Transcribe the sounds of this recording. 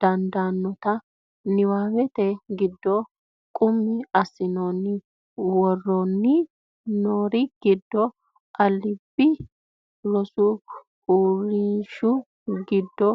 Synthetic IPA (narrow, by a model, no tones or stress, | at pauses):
d̪̥ɐnd̪aːnːɔt̪ɐ | nɪwaːwɛt̪ɛɡɪd̪ːɔ | kʼʊmːɪɐsːɪnonːɪ | wɔrːɔnːɪ | noːɾɪɡ̥ɪd̪ːɔ | ʔɐlːɪbːɪ | lɔsʊ | uːɾɪʃʊ | ɡɪd̪ːɔ